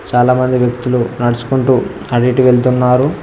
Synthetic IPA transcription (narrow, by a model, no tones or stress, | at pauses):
t͡ʃaːlaːmɐnd̪iʋjɐk̚t̪ulunɐɽɐt͡ʃu̥kuɳʈuː | ɐɽiʈiʋe̞ɭt̪unːaːɾu